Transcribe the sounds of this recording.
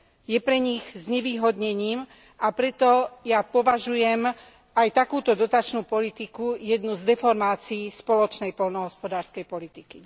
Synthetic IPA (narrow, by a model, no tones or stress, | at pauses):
jɛpɾɛɲiɣzɲɛʋiːɦɔd̪ɲɛɲiːm | apɾɛt̪ɔjapɔʋaʒujɛm | ajt̪akuːt̪ɔd̪ɔt̪at͡ʃnuːpɔlit̪ikujɛd̪nuzd̪ɛfɔɾmaːt͡siiːspɔlɔt͡ʃnɛjpɔlnɔɦɔspɔd̪aːɾskɛjpɔlit̪iki